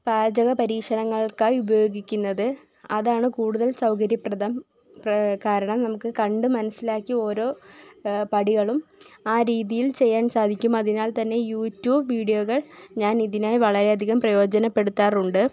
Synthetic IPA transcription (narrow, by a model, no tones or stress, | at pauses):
paːd͡ʑɐɣɐpɐɾiːkʂɐɳɐŋːɐɭkaːjubɐjo̞ːɡikʲːunːɐðɨ | ɐðaːɳɨkuːɽuðɐlsɐwkɐɾjɐprɐd̪ɐm | pkaːɾɐɳɐmnɐmukːɨkɐɳɖɨmɐnɐsːilaːkːio̞ːɾo̞ː | pɐɽiɣɐɭumaːɾiːðijilt͡ɕe̞jːaːnsaːd̪ʱikʲːumɐðinaːlt̪ɐnːe̞juːtːjuːbʋiːɽijoɣɐɭɲaːniðinaːjʋɐɭɐɾe̞ɐd̪ʱiɣɐmprɐjo̞ːd͡ʑɐnɐpːe̞ɽut̪ːaːruɳɖɨ